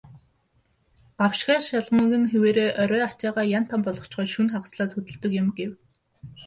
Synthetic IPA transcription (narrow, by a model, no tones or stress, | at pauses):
ɢ̥awʃχæːrʃaɮmə̆ŋɡɘ̆nxeweːɾeːʔɔɾʲœːat͡ɕaːʁaːjan̥t̪ʰampɔɮɞ̆w̥t͡ɕχɔːʃunχaʁsɮaːt͡sxɵt̪ɵ̆ɮt̪ɵ̆kjɪ̆mɡew